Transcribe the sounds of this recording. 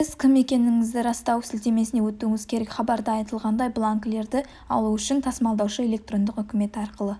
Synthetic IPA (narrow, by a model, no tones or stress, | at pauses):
ɪzkʲʰɪme̞kʲe̞nɪŋɪzd̪ɪɾɑst̪ɑwsɪlt̪e̞me̞sɪnewɵt̪ːuɪŋɪzkʲʰe̞ɾe̞kχɑbɑɾd̪əɑjt̪əlˠʁɑnd̪ɑjblˠaŋkle̞ɾd̪ɪ | ɑ̰lˠuʏʃɪnt̪ʰɑsmɑlˠd̪ɑwʃəe̞lʲe̞k̚t̪ro̞nd̪ɪqʏkʲɪme̞t̪ɪɑɾqəlˠə